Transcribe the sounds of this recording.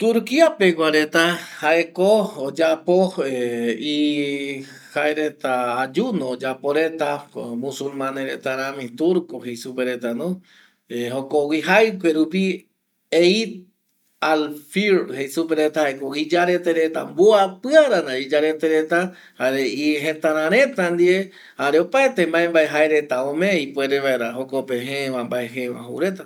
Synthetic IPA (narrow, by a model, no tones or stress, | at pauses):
t̪uɾkiapekʷaɾet̪ahaekood͡ʒapoei | haeɾet̪aːd͡ʒunõːd͡ʒapoɾet̪akomũsulmãneɾet̪aɾãmĩt̪uɾkohejsupeɾet̪anõ | ehokowiɦajpeɾupi | eit̪̚ | alfiɾhejsupeɾet̪ahaekoid͡ʒaɾe̞t̪eɾe̞t̪a̰mbuapɨaɾanaid͡ʒaɾet̪eɾe̞t̪a | haɾeiɦẽt̪ãɾ̃ãɾẽ̞t̪and̪ie | haɾeopaet̪embaembaeɦaeɾe̞t̪aõmẽipweɾeβaeɾaɦokopẽɦẽʋambaeɦeʋã̰ɦṵɾe̞t̪a